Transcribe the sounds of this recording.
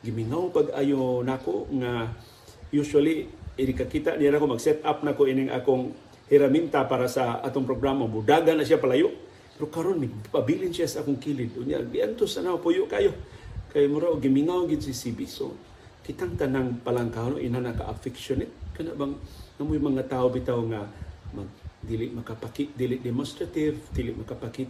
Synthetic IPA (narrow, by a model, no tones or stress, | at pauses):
ɡɪmiŋawpaɡa̰jonakoʔŋa | jusaliɪnɪkakiːt̪aʔnijanakomaɡsɛt̪ap̚nakoʔinɪŋʔa̰koŋ | hɛɾamint̪apaːɾasaʔa̰t̪oŋpɾoɡɾamaŋbʊd̪aɡanasjapalajoʔ | pɛɾokaɾonmɪpabilɪnsiasaʔakoŋkilɪd̪ʊnja̰ɡɪʔant̪osanapujʊʔkaajokajmʊɾaʔoɡɪmɪŋawɡɪd̪sisibiso̰ | kɪt̪aŋt̪anaŋpalaŋkano̰ʔḭnanaka̰ʔa̰fɪkʃonɛt̪̚kanaʔbaŋŋamʊjmɐŋat̪aːobit̪awŋamaɡ̚d̪ilɪʔmakapakɪt̪̚d̪ilɪʔd̪ɛmonst̪ɾat̪ɪvd̪ilɪʔmakapakɪt̪